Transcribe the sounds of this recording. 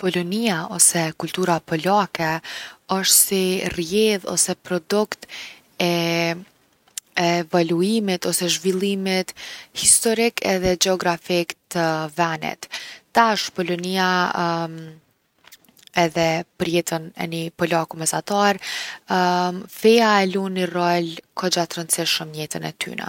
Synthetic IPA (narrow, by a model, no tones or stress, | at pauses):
pɔlɔniaɔsɛkulʲt̪uɾapɔlakɛɔʃt̪sirjɛðɔ̰sɛpɾɔd̪ukt̪ | ɛ | ɛːvaluimit̪ɔsɛʒvilˠimit̪hist̪ɔɾikʰɛ̰ðɛd͡ʒɛɔɡɾafikt̪əvɛnɛ̰t̪t̪aʃpɔlɔniam | ɛðɛpəɾjɛt̪ənɛ̰nipɔlakumɛsat̪aɾ | fɛaɛlunirɔlkʰɔd͡ʒat̪ɾənt͡siʃəmɲɛt̪ənɛ̰t̪y̰na̰